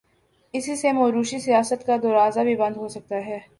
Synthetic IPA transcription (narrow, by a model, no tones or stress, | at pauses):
ɪsisemoːɾuːʃisijaːsət̪kad̪oːɾaːzabʱibɐ̃nd̪ɦosɐk̚t̪aɦɛː